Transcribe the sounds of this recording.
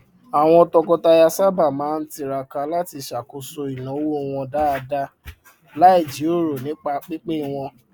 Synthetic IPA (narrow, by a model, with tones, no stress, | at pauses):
a˨w̃ɔ̃˧tɔ˧kɔ˧ta˧ja˧sa˦ba˦˨mãː˨˦n̩˦ti˧ɾa˨ka˧la˦ti˧ʃa˨ko˨so˧i˨lã˨o˦wo˦˨w̃ɔ̃˧da˦a˧da˦ | la˦i˦˨d͡ʒi˨˦o˦˨ɾo˨nĩ˨˦k͡pa˧k͡pi˦k͡pe˦˨w̃ɔ̃˧